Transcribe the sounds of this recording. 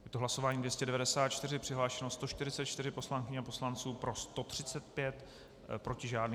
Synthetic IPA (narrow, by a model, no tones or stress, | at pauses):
jɛt̪oɦlaso̞vaːɲidvjɛscɛdɛvadɛsaːt̪t͡ʃt̪ɪrɪpr̥ɪɦlaːʃɛnost̪o̞ʃt̪ɪɾɪt͡sɛt̪̚t͡ʃt̪ɪɾɪpo̞slaŋkɪɲɛapo̞slant͡suːpɾo̞st̪o̞t̪r̝̥ɪt͡sɛt̪̚pjɛt̪ | pɾo̞cɪʒaːdni